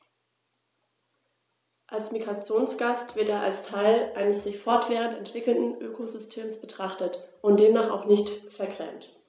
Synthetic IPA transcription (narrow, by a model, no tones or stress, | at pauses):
ʔalsmiɡʁat͡sjoːnsɡ̥astv̥ɪɐteːɐʔalstʰaɪlʔaɪnəsz̥ɪçfɔɐtv̥ɛːʁ̞əntɛntv̥ɪkl̩ndn̩ʔøːkʰozʏstʰeːmsb̥ətʁ̥aχtətʔʊntd̥eːmnaːχa̰ʊχnɪçtfɛɐɡʁ̥ɛ̰mt